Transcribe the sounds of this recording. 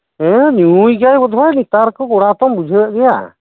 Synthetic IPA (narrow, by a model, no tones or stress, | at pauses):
ɛ̃nuujɡajbɔd̪ʱajnit̪aɾkɔɡɔɽat̪ɔmbud͡ʒʱəjəʔɡɛja̰